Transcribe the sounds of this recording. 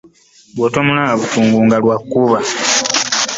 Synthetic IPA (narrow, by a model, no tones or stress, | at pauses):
βwoːtomunaːβutuːŋɡuːŋɡalwakːuβa